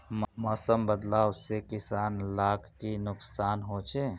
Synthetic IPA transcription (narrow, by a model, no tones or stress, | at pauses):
mmɔːsəmbəd̪laːwsekɪsaːnlaːkʰkinʊksaːnɦoːt͡ʃʰe